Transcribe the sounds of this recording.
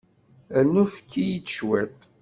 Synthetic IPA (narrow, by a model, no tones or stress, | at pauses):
ænːufə̥kːijit͡sːə̥ʃwæt̪